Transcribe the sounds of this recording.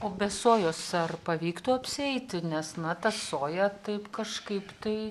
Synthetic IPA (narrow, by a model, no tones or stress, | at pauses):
oːbʲɛsoːjoːsɐrpɐʋʲiːkt̪ʊːɐpʲsʲɪɛɪt̪ʲɪnʲɛsnɐt̪ɐsoːjɛt̪ɐɪpkɐʃkɐɪpt̪ɐɪ